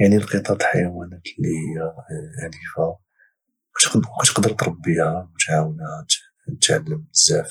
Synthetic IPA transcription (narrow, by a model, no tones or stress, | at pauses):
jaʕnilqət̪ˤɑt̪ħajawænæt̪lːihəjːælifa | æt̪qqæt̪ə̥qd̪əɾt̪ɾˤɑbːihæwt̪ʕawənhæt̪ | nt̪ʕa̰lːəmzæf